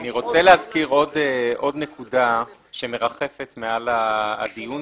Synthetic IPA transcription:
niʁo̞t͡selehazkiʁo̞deʔo̞dne̞kuda | ʃeme̞ʁaχe̞fe̞tmeala̰dijun

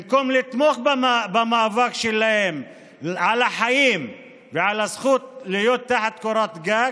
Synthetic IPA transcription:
mkomlit̪moχbaabamavakʃelahem | ʕalaħajim | veʕalasxut̪lijot̪ːaħat̪koɾat̪ɡaɡ

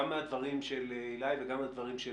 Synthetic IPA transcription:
amːead̪vaʁimʃelilajveɡamːead̪vaʁimʃe

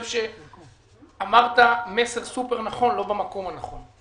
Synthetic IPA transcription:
vʃe | amaʁt̪ame̞se̞ʁsupe̞ʁnaχo̞nlo̞bamako̞mhanaχo̞n

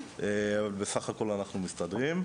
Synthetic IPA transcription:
ʔeavalbe̞saχako̞lanaχnumistadʁim

